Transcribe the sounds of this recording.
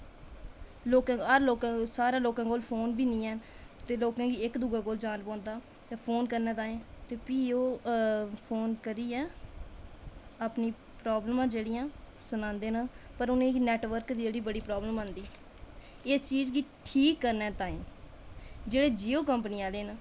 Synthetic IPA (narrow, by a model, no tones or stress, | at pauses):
loːkãːəɾloːkãːsaːɾãːloːkãːkoːlpʰoːnbiːnĩːɛːt̪eːloːkãːɡiːɪkd̪uɡãːkoːld͡ʒaːnpɔ̃ːnd̪aː | t̪eːpʰoːnkəɾnɛ̃ːt̪aːĩːt̪eːpiːoː | pʰoːnkəɾiːɛː | aːpniː | pɾaːbləmãːd͡ʒeːɽiːãː | sənãːnd̪eːnãːpəɾʊnẽːnɛːʈʋəɾkd̪id͡ʒeːɽiːbəɽiːpɾaːbləmãːnd̪iː | ɪst͡ʃiːd͡ʒɡiːʈʰiːkːəɾnɛːt̪ãːḭ̃ː | d͡ʒeːɽeːd͡ʒiːoːkəmpniːãːleːna